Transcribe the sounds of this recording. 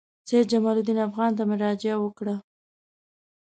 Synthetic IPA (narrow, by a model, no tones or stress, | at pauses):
sed͡ʒamɑlud̪inafɣɑnt̪̬amɪɾɑd͡ʒɪawəkɽa